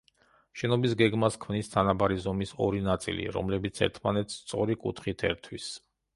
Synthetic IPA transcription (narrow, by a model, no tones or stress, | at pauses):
ʃɛnɔbisɡɛɡmaskʰmnist̪ʰanabaɾizɔmisɔɾinat̪sʼḭlḭɾɔ̰mlɛbit̪sʰɛ̰ɾt̪ʰmanɛt̪ʰst̪sʼɔɾikʼṵt̪ʰχit̪ʰɛɾt̪ʰwis